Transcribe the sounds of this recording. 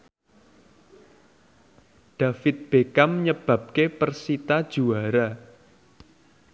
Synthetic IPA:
ɖ̥a̤fɪt̪̚b̥ekaməɲəb̥ä̤p̚kepərsit̪ad̥ʒ̥uaɾa

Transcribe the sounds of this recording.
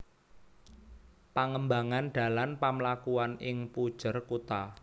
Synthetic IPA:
paŋəmbaŋanɖ̪̥a̤lanpamlakuanɪŋpud̥ʒ̥ə̤rkut̪a

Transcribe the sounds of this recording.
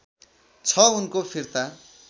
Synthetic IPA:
t͡sʰʌunkopʰirt̪a

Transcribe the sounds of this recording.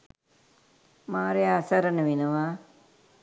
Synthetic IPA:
maːɾeaːsɐɾənəʋinəʋa

